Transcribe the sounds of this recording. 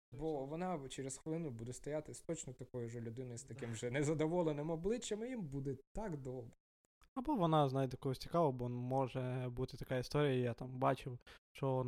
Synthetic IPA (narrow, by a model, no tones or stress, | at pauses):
bɔʋɔnɑt͡ʃeɾesxʋelˠɪnʊbud̪ɛst̪ɔjat̪ɪsʲt̪ɔt͡ʃnɔt̪ɐkɔjʊʒɛlʲʊd̪ɪnɔjst̪ɐkɪmʒɛnɛzɐd̪ɔʋɔlˠenɪmɔblˠɪt͡ʃːɐmɪjimbud̪ɛt̪ɑɡd̪ɔbɛ | ɐbɔʋɔnɑznɑjd̪jɐkɔɦɔsʲt͡sʲi̥kɑʋɔbɔɔnmɔʒɛbut̪ɪt̪ɐkaist̪ɔɾʲijɐijat̪ɑmbɑt͡ʃɪwʃt͡ʃɔn